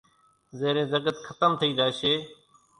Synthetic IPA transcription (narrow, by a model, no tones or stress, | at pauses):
zeːɾẽːzəkət̪kʰət̪əmt̪ʰəiːd̪aːʃeː